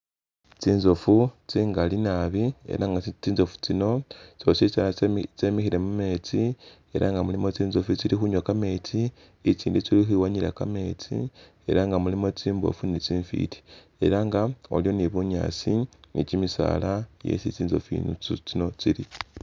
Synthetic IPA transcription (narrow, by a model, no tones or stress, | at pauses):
t͡siːnzofut͡siŋɡalinaβiḛɾaŋɡat͡siːnzo̞fu̥t͡sino̞t͡sot͡sit͡salat͡semixiɾe̞mume̞ːt͡sie̞̰ɾʔaŋɡamulimo̞t͡siːnzofut͡silixuɲwakame̞ːt͡siː | t͡siːndit͡silixiwaɲila̰kame̞t͡sḭ | e̞ɾaŋɡamulimo̞t͡siːmbo̞̰funit͡siːɱfḭti̥ | e̞̰ɾaŋɡaoljoniβuɲa̰ːt͡sinicimisa̰ːlajḛsit͡siːnzo̞̰fḭnt͡sino̞t͡siɾi